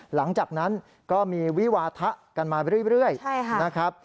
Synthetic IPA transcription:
la˩˦ŋt͡ɕaː˨˩k̚na˦˥n | kɔː˥˩miː˧wi˦˥waː˧t̪ʰa˦˥ʔka˧nmaː˧ɾɯ˥˩˨ɾɯ˥˩əjna˦˥kʰɾa˦˥p̚

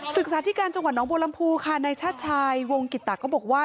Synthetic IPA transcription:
sɯ˨˩k̚saː˨˦t̪ʰi˦˥kaː˧nt͡ɕa˧ŋwa˨˩t̪̚nɔː˦ŋboː˧la˧mpʰuː˧kʰa˥˩naː˧jt͡ɕʰaː˥˩t̪̚t͡ɕʰaː˧jwo˧ŋki˨˩t̪ːaː˨˩kɔː˥˩bɔː˨˩k̚waː˥˩

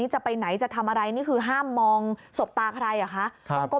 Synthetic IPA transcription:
iː˦˥t͡ɕa˨˩pa˧jna˩˦jt͡ɕa˨˩t̪ʰa˧mʔa˧ɾa˧jniː˥˩kʰɯː˧ɦaː˥˩mːɔː˧ŋso˨˩p̚t̪aː˧kʰa˧ɾa˧jʔa˨˩kʰa˦˥ʔʰkɔː˥˩

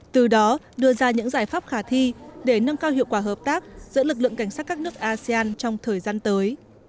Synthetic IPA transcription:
t̪ɨ˨˩ɗɔ˨˦ | ɗɨ˧əzaː˧ɲɨ̰˧˥ŋzaː˨˧˩jfaː˦˥p̚xaː˧˩t̪ʰi˧ɗe˧˩nə˧mkaː˧whɦḭ˧˨kwaː˧˩ɦəː˨˩p̚t̪aː˦˥k̚zɨ̰˧˥lɨ˨˩k̚lɨ̰˧˨ŋka˧˩jŋ̟sa˦˥t̚kaː˦˥k̚nɨ˦˥ək̚ʔaː˧si˧aː˧nt͡ɕɔ˧wŋ͡mt̪ʰəː˨˩jzaː˧nt̪əː˨˦j

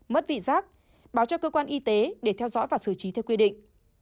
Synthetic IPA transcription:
mə˦˥t̚vḭ˧˨zaː˦˥k̚ | ɓaː˨˦wt͡ɕɔ˧kəː˧kwaː˧nʔi˧t̪e˨˦ɗe˧˩t̪ʰɛ˧wzɔ̰˧˥jvaː˨˩sɨ˧˩t͡ɕi˨˦t̪ʰɛ˧wkwi˧ɗḭ˧˨ŋ̟

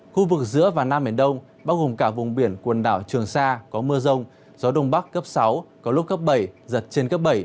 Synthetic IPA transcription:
xu˧vɨ˨˩k̚zɨ̰˧˥əvaː˨˩wnaː˧mɓḭ˧˩nɗə˧wŋ͡m | ɓaː˧wɣo˨˩mkaː˧˩vʊ˨˩ŋ͡mɓi˧˩ənkwə˨˩nɗa̰ː˧˩wt͡ɕɨ˨˩əŋsaː˧kɔ˨˦mɨ˧əzə˧wŋ͡m | zɔ˨˦ɗə˧wŋ͡mɓa˦˥kːə˦˥p̚sa˨˦wkɔ˨˦lʊ˦˥p̚kːə˦˥p̚ɓə˧˩jzə˨˩t̚t͡ɕe˧nkə˦˥p̚ɓə˧˩j

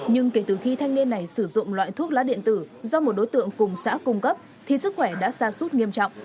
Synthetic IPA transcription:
ɲɨ˧ŋke˧˩t̪ɨ˨˩xi˧t̪ʰa˧jŋ̟ni˧nːa˨˩jsɨ˧˩zʊ̰˧˨ŋ͡mlwa̰ː˧˨jt̪ʰu˦˥ət̚laː˨˦˥ɗḭ˧˨ənt̪ɨ˧˩zɔ˧mo˨˩t̚ɗo˨˦jt̪ɨ̰˧˨əŋkʊ˨˩ŋ͡msa̰ː˧˥kʊ˧ŋ͡mkə˦˥p̚ | t̪ʰi˨˩sɨ˦˥k̚xwɛ˧˩ɗa̰ː˧˥saː˧su˦˥t̚ŋi˧əmt͡ɕɔ̰˧˨ŋ͡mʔ

